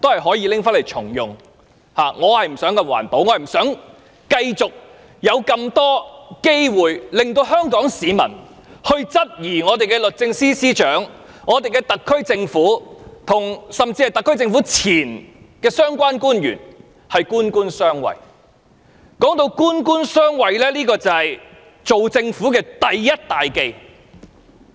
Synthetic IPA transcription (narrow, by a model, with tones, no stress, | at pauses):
t̪o˥whɐ˨jɦɔː˨˥jiː˧lɪ˥ŋfaː˥nle˨˩t͡ʃʰʊ̰˨˩ŋjʊ˨˩ŋ | haː˨ŋɔː˨˧hɐ˨jm̩˨˩sœː˨˥ŋkɐ˧wa̰ː˨˩npo˨˥wŋɔ˨˧hɐ˨jm̩˨˩sœː˨˥ŋ | kɐ˧jt͡sʊ˨k̚ | jɐ˨˧wkɐ˧mt̪ɔː˥ke˥jwuː˨jlɪ˨ŋt̪̬o˧wɦœː˥ŋkɔː˨˥ŋsiː˨˧mɐ̰˨˩n | hɵ˧ɥt͡sɐ˥t̚jiː˨˩ŋɔː˨˧t̪e˨jkɛː˧lɵ˨t̚t͡sɪ˧ŋsiː˥siː˥t͡ʃœː˨˥ŋ | ŋɔː˨˧t̪e˨jkɛː˧t̪ɐ˨kʰːɵ˥ɥt͡sɪ˧ŋfuː˨˥t̪ʰʊ˨˩ŋsɐ˨mt͡siː˧ɐ˨jt̪ɐ˨kʰːɵ˥ɥt͡sɪ˧ŋfuː˨˥t͡sʰiː˨˩n | kɛː˧sœː˥ŋkʷaː˥nkuː˥njy̰ː˨˩n | hɐ˨jkuː˥nkuː˥nsœː˥ŋwɐ̰˨j | kɔː˨˥ŋt̪o˧wkuː˥nkuː˥nsœː˥ŋwɐ˨jlɛː˥liː˥kɔː˧t͡sɐ˨ɐ˨j | t͡so˨wt͡sɪ˧ŋfuː˨˥kɛː˧t̪ɐ˨jːɐ˥t̚t̪aː˨jke˧j